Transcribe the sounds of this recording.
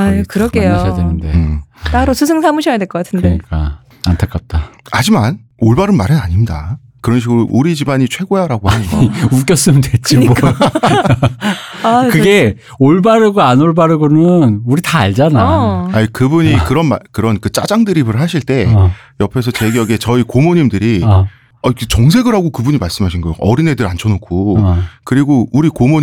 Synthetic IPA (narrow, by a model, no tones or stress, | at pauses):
ajokɯɾʌɡeowenɯndet͈aɾosʰusʰɯŋsʰamɯɕʰʌjadweɭk͈ʌk͈atʰɯndeɲika̰ | antʰak͈ap̚t͈aad͡ʑiman | oɭbaɾɯnmaɾɯnaɲimida̰ | kɯɾʌnɕ̬ʰiɡɯɾoʔuɾid͡ʑibaɲit͡ɕʰwe̞ɡojaɾaɡohnɯnɡʌuk͈jʌs͈ɯmɯndwet͡ɕ͈iɲmok͈ | akɯɡe̞ | oɭbaɾɯɡoanoɭbaɾɯɡonɯnuɾitaːɭd͡ʑanajaikɯbuɲikkɯɾʌnmakɯɾʌnkɯt͡ɕ͈a̰d͡ʑaŋdɯɾibɯɭɦaɕʰiɭt͈e̞ | jʌpʰe̞s̬ʰʌt͡ɕe̞ɡijʌɡe̞t͡ɕʌikomoɲimdɯɾi | ʌkt͡ɕʌŋsʰe̞ɡɯɾɦaɡokɯbuɲimaɭs͈ɯmɦaɕʰinɡʌjoʔʌɾine̞dɯɾant͡ɕʰʌnokʰokɯɾiɡouɾikomo